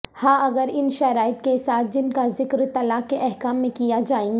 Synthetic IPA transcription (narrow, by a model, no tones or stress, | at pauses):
hãːʔɐɡəɾɪnʃɐɾaːɪt̪kesaːt̪̚ʰd͡ʒɪnkazɪkɾt̪ɐlaːkkːeʔɛɦkaːmːẽkijad͡ʒaːẽːɡ